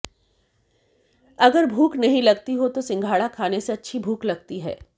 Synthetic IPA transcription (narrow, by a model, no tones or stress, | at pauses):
ɐɡəɾbʱuːknɐɦĩlɐɡt̪iɦot̪osɪ̃ŋɡʱaːɽakʰaːneseɐtːʃʰibʱuːklɐɡ̚t̪iɦɛ̰ː